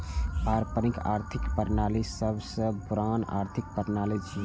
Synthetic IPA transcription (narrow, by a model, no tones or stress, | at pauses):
aːɾpəɾɪ̃ka̰ːɾt̪ʰɪkpəɾnaːlisəbsəbpʊɾaːna̰ːɾt̪ʰɪk̚pəɾnaːlis